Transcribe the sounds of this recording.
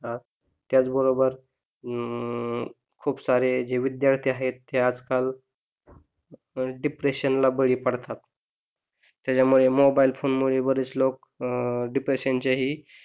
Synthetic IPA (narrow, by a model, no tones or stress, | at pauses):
a | t̪ːjat͡sbəɾobəɾ | kʰuːpsaɾed͡ʑeʋid̪jaɾt̪ʰiːaɦet̪ːead͡zkal | ɖipɾeɕənlabəɭiːpəɽt̪at̪ | jat͡ɕamuɭemobailfonmuɭebəɾit͡slok̚ | ɖipɾeɕjaɲt͡ɕaɦiː